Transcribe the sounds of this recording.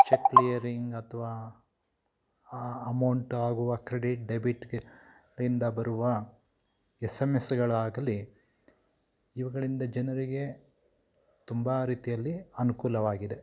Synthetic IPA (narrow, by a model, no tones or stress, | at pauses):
t͡ʃekːlijɐɾiŋɡɐt̪ʰɐʋaː | ɐmɐwɳʈaːɡuʋɐkɾeɽiʈ̚ɖebiʈɡ | ind̪ɐbɐɾuʋɐ | esemesɡɐɭaːɡɐli | iʋɐɡɐɭind̪ɐd͡ʒɐnɐɾiɡe̞ | t̪umbɐɾiːt̪ijɐlːiɐnukuːlɐʋaːɡid̪e̞